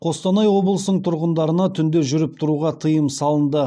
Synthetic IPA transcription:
qʰo̞st̪ɑnɑjwo̞blˠəsnəɴt̪ʰʊɾʁənd̪ɑɾənɑt̪ʰʏnd̪e̞ʒʏɾɪp̚t̪ʰʊɾuʁɑt̪ʰəjəmsɑlˠənd̪ə

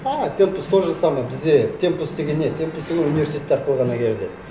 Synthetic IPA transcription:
ɑt̪ʰe̞mpust̪ʰoɾʒɑsɑmɑbɪzd̪e̞t̪ʲʰe̞mpust̪e̞ɡʲenːet̪ʰe̞mpust̪eɡʲenunijvʲesit̪ʲet̪ːeɾqʰəlˠʁɑnɑkʲʰeɾed̪ed̪

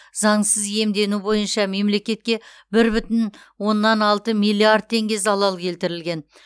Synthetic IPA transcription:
zɑɴsəzje̞md̪e̞nubo̞jənʃɑme̞mle̞kʲe̞t̪̚kʲe̞ | bɪɾbʏt̪ɪn | wo̞nːɑnɑlˠt̪əmijlˠːiard̪̚t̪ʰːe̞ŋɡʲe̞zɑlˠɑlˠkʲʰe̞lt̪ɪɾɪlɡʲe̞n

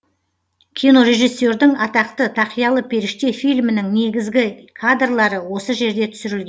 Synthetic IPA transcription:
kʲʰijno̞ɾe̞ʒijsːo̞ɾd̪ɪŋɑt̪ɑqt̪ət̪ʰɑqijɑlˠəpʰe̞ɾɪʃt̪e̞fijlmɪnɪŋne̞ɡʲɪzɡʲɪkʰad̪rlˠɑɾəwo̞səʒe̞ɾd̪e̞t̪ʰʏ̥sʏɾɪlɡʲen

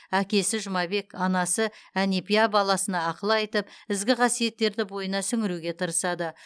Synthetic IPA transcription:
ækʲe̞sɪʒʊmɑbe̞kɑnɑsəæne̞pijabɑlˠɑsənɑːqəlˠɑjt̪əpɪzɡʲɪqʰɑsije̞t̪ːe̞ɾd̪ɪbo̞jənɑsʏŋɪɾuɡʲe̞t̪ʰəɾəsɑd̪ə

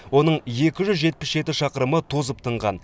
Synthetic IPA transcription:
wo̞nəɴje̞kʲɪʒʏzʒe̞t̪̚pɪsʒe̞t̪ɪʃɑqəɾəmət̪ʰuzəp̚t̪ʰəɴʁɑn

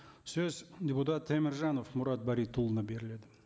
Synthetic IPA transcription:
sɵzdʲeput̪ɑt̪ʰːemɪɾʒɑnofmʊɾɑt̪̚bɑɾit̪ʰːulˠənɑbe̞ɾɪle̞d̪ɪ

